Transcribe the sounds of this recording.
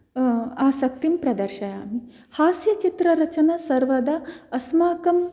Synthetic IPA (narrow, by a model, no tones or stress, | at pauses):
aːsɐk̚t̪impɾɐd̪ɐɾʃɐja̰ːmi | haːsjɐt͡ʃit̪ɾɐɾɐt͡ʃɐnasɐɾʋɐd̪ɐɐsmaːkɐm